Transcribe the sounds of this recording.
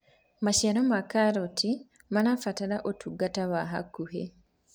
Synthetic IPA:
maʃaɾomakaɾoti | manafataɾaʔotʰuɡataβaɦakːuhe

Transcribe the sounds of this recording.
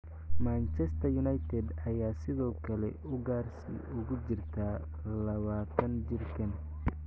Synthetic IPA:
maːnt͡ʃɛst̪ʰɐjʊnɐjt̪ʰɛd̪ɐjaːsɪðɔːkʰɐlɛ̰ʊɡaːrsɪ̰ʊɣʊt͡ʃɪrt̪ʰaː | lɐβaːt̪ʰɐnd͡ʒɪrkʰɐn

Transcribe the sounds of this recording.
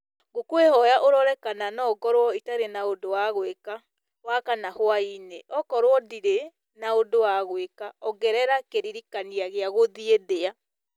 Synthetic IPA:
ɡokwehɔjaʔoɾɔɾɛkananɔɡɔɾwɔitaɾenaodowaɣweka | wakanahwaineɔkɔɾwɔdiɾe | naodowaɣwekaɔɡɛɾɛɾakeɾiɾikaniaɣeaɣoðieðea

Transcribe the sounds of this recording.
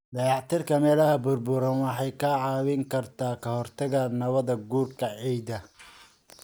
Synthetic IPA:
d̪ɐjɑʕt̪ʰɪrkʰɐmɛːlɐhɐbʊrbʊɾɐnwɑħɑjkʰaːʕɑːwɪŋkʰɐrt̪ʰaːkʰɐhɔrt̪ʰɐɣanɐβɐðɐɡuːrkʰɐʕijd̪ɐ

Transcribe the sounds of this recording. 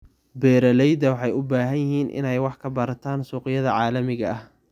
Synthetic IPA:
bɛːɾɐlɛjd̪ɐwɑħɑjʊbaːɦɐnjɪɦiːnʔɪ̰nɛjwɑħkʰɐbɐɾɐt̪ʰaːnsuːqɪjɐðɐʕɑːlɐmɪɣɐɐh

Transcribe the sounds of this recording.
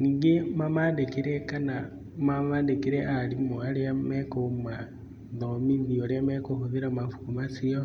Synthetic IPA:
niːŋɡemamadekeɾɛkana | mamadekeɾɛʔaɾimoaɾeamɛkoma | ðomiðiɔɾeamɛkohoðiɾamafuːmasiɔ

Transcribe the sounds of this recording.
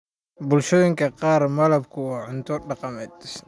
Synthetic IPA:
bʊlʃɔːjɪŋkʰɐqɑːrmɐlɐbkʰʊwɑːʕʊnt̪ʰɔɖɑqɑmɛːd̪

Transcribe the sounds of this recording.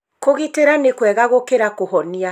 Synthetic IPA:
koɣiteɾanekwɛɣaɣokeɾakoɦɔnia

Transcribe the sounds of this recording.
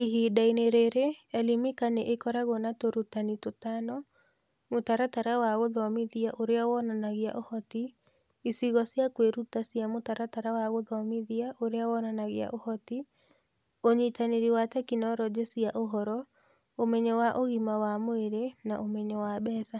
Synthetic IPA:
iɦidaineɾeɾeɛlimikaneʔekɔɾaɣɔnatoɾutanitotanɔ | motaɾataɾawaɣoðaɔmiðiaʔoɾeawɔnanaɣɪa̰ʔohɔti | isiɣɔsijakweɾutasiamotaɾataɾawaɣoðaɔmiðiaʔoɾeawɔnanaɣɪa̰ʔohɔti | oɲitaneɾiwatɛkinɔɾɔd͡ʒesiaʔoɦɔɾɔ | omɛɲɛwaʔoɣimawamoeɾenaʔomɛɲɔwabɛsa

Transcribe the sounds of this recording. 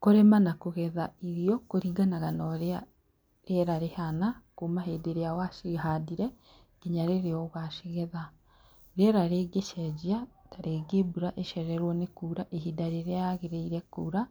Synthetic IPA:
koɾemanakoɣɛðaiɾjokoɾiɡanaɣanoɾea | ɾeɾaɾehanakumaɦeːdeɾeawaʃiɦadiɾe | iɲaɾeɾejoɣaʃiɣeða | ɾeɾaɾeːɡeʃɛd͡ʒiataɾeːɡeːbuɾaʔeʃɛɾɛɾwɔnekuɾaʔeɦidaɾeɾeaɣeɾeiɾekuɾa

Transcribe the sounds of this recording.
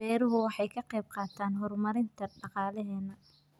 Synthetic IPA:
ɛːɾʊɦʊwɑħɑjkʰɐqɛjb̚qɑːt̪ʰaːnɦɔrmɐɾɪnt̪ʰɐɖɑqɑːlɛɦɛːnɐ

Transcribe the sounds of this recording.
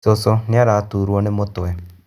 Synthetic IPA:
sosɔnaɾaːt̪uɾuɔnemot̪oɛ

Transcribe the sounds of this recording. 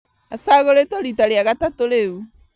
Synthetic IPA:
asaɣoɾetoɾitaɾeaɣatatoɾeu

